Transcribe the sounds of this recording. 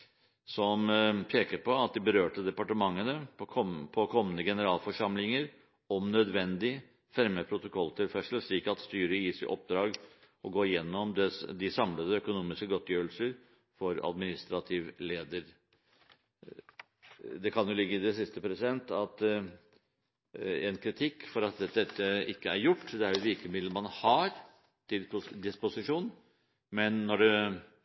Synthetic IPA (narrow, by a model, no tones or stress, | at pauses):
sɔmpʰeːkəɾpʰɔɑt̪̚d̪ɪbəɾøːʈəd̪ɛpɑʈəmɑŋːənəpʰpʰɔkʰɔmːənəɡɛnəɾɑːlfɔʂɑmlɪŋəɾ | ɔmnœd̪ʋɛnd̪ɪ | fæɾməpʰɾʊt̪ʊkʰɔlːt̪ʰɪlfæʂəlʂɭiːkɑt̪st̪yːɾəjiːsɛʔɔp̚d̪ɾɑːɡ | ʔɔɡoːɪjɛnːɔmd̪ɛd̪ɪsɑmləd̪əœkʊnuːmɪskəɡɔt̪ʰːjøːɾəlsəɾ | fɔɾɑ̰d̪mɪnɪst̪ɾɑt̪ʰɪʋleːd̪əɾ | d̪ɛkʰɑnjʊlɪɡːəɪd̪ɛsɪst̪əpʰɾɛsɪd̪ɛnt̪ɑt̪ | ɛnkʰɾɪt̪ʰɪkːfɔɾɑt̪̚d̪ɛɛt̪ʰːəɪkːəæɾjʊʈːd̪ɛæɾjʊʋɪɾkəmɪd̪lmɑnhɑɾ | t̪ɪld̪ɪspʊsɪʂuːn | mɛnːɔɖʉ